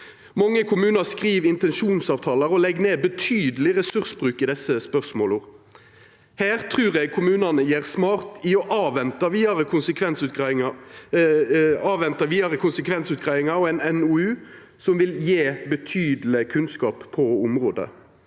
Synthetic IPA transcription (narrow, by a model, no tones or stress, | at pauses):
mɑŋːəkʰʊmʉːnəʁskʁiːʋɪnt̪ɛnʃuːnsɑːʋt̪ʰɑːləɾɔlɛɡneːbət̪ʰyːd̪əlɪʁɛsʉʁsbʁʉːkɪd̪ɛsːəspœsmoːlʊʁ | hæːʁt̪ʰʁʉːʁɛɡ̚kʰʊmʉːnɑnəjeːʁsmɑːʁt̪ɪɔʔɑːʋɛnt̪əʋiːɑɾəkʰʊnsəkʰʋɛnsʉt̪ | ɑːʋɛnt̪əɾʋiːɑɾəkʰʊnsəkʰʋɛnsʉːt̪̚ɡʁæɪɪŋɑɾɔɛɪnɛnuʉː | sɔmʋɪljeːbət̪ʰyːd̪əl̩ɪkʰʉnskɑːppʰːɔʊmʁoːd̪ə̰